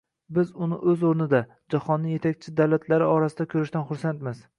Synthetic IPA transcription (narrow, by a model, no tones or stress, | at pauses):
bɪzʊnɪʔɵzoɾnɪd̪a | d͡ʒahɒnːɪje̞t̪ʰak̚ʲt͡ʃʰɪd̪awlat̪ʰlaɾɪɒɾasɪd̪akʲʰɵɾɪʃt̪anχʊɾsant̪mɪz